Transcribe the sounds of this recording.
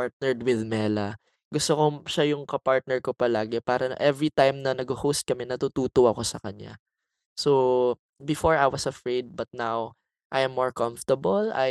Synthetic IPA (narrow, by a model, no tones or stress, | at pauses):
aɹt̪̚nɛɹd̪wɪðmɛːlɐ | ɡʊst̪okoʃajʊŋkɐpaɹt̪̚nɛɹkopɐlaːɡɪpaːɾɐn̰ʔɛvɹit̪ajmnɐnɐɡohost̪̚kɐmɛnɐt̪ut̪uːt̪oʔɐko̞sɐkɐɲja̰ | so | bɪfoɹajwɐsɐfɹejd̪̚bɐt̪̚naw | ʔajɐ̃mːɔɹkãmft̪ɐbɐla̰